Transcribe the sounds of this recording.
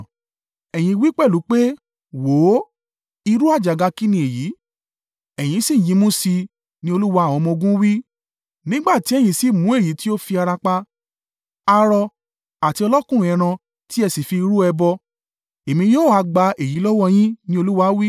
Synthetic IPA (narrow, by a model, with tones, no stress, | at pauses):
ɛ˨j̃ĩ˧wi˦k͡pɛ˦˨lu˨˦k͡pe˦ | wo˨˦ | i˧ɾu˦a˦˨d͡ʒa˨ɡa˧ki˦nĩ˧˨e˨ji˨˦ | ɛ˨j̃ĩ˧sĩ˦˨jĩ˨˧˦mũ˦si˧ | nĩ˦o˧lu˦wa˧˦˨w̃ɔ̃˧mɔ̃˧ɡũ˦wi˦ | nĩ˦ɡ͡ba˦˨ti˨˦ɛ˦˨j̃ĩ˧si˦˨mũ˨˦e˦˨ji˨˦ti˦o˦fi˧a˧ɾa˧k͡pa˧ | a˧ɾɔ˧ | a˨ti˧ɔ˧lɔ˦kũ˦˨˦ɛ˧ɾ̃ã˧ | ti˦ɛ˧si˨fi˧ɾu˦ɛ˧bɔ˧ | e˨mĩ˧joː˦˨a˧ɡ͡ba˧e˨ji˨˦lɔ˦wɔ˦˧j̃ĩ˦nĩ˦o˧lu˦wa˧˦wi˦